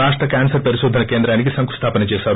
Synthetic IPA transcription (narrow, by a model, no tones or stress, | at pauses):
aːʂʈɾɐkʲaːnsɐɾpɐɾiʃoːd̪ʱɐnɐkeːnd̪ɾaːnik̬isɐŋku̥st̪ʰaːpɐnɐt͡ʃeːsaːɾ